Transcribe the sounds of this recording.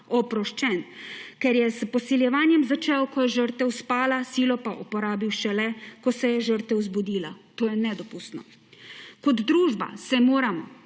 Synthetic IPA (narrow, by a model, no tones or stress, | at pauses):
ɔpɾɔʃt͡ʃɛnkɛɾjɛzpɔsiljɛʋaːnjɛmzat͡ʃɛwkɔjɛʒəɾt̪ʋɛwspaːlasiːlɔpaʔupɔɾaːbiwʃɛlɛkɔsɛjɛʒəɾt̪ʋɛwzbud̪iːlat̪oːjɛnɛd̪ɔpust̪nɔ | kɔd̪d̪ɾuːʒba̰sɛmoːɾamɔ̰